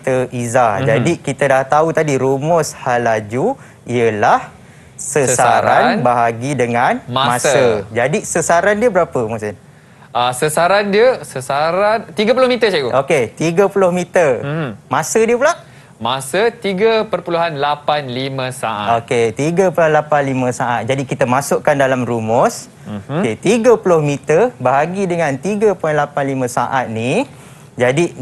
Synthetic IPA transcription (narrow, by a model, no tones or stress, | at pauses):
t̪əʔizad͡ʒadikit̪ədaht̪aut̪adiɾumʊshalad͡ʒu | iəlah | səsaaɾannbaɦaɡidəŋãnmamãsəd͡ʒadisəsaɾandiəbəɾapəmusɪn | ʔasəsaɾandiəsəsaɾant̪iɡəpulʊhmit̪ət͡ʃakuʔoket̪iɡəpulʊhmit̪ərmãsədiəpula | masət̪iɡəpərpuluɦanlapanlimə̃sa̰ʔa̰oket̪iɡəpulanlapanlimə̃saʔa̰t̪̚d͡ʒadikit̪əmasʊʔkandalamɾumɔs | oet̪iɡəpulʊhmit̪ərbaɦaɡidəŋãnt̪iɡəpuanlapanlimə̃sa̰ʔat̪̚ni | d͡ʒadi